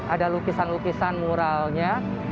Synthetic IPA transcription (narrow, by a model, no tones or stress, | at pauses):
adalukisanlukisanmuɾalɲa